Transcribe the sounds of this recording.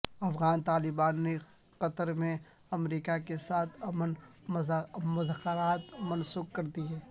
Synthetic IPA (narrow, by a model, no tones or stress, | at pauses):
ɐfɣaːnt̪aːlɪbaːnːe | qɐt̪əɾmẽ | ɐmɾiːkakesaːt̪ʰɐmən | mʊzəxəɾaːt̪mɐnsuːk̚kɐɾt̪iɦɛː